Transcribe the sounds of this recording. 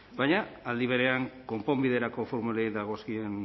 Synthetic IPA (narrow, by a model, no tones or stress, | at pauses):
baɲaːld̪iβ̞e̞ɾe̞aŋko̞mpo̞mbiðe̞ɾako̞fo̞ɾmulejðaɣ̞o̞skien